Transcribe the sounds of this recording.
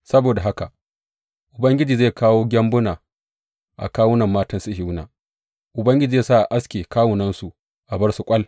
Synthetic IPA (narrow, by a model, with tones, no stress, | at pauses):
sɐ˦boː˨da˨ɦa˦ka˨ | ʔʊ˨bɐ˦ŋɡʲɪ˦d͡ʒiː˨zeː˦˨kaː˦woː˦ɡʲɐ˦mbʊ˦naː˨ | ʔa̰˨kaː˦wʊ˦nɐ˨mːaː˦tɐ˦nsɪ˦hɪ˦wna̰ː˨ | ʔʊ˨bɐ˦ŋɡʲɪ˦d͡ʒiː˨zeː˦˨sa˦˨ʔa˨ʔa˦skʲeː˨kaː˦wʊ˨nɐ˦nsu˨ | ʔa˨bɐ˦rsʊ˨kʷʼɐ˦l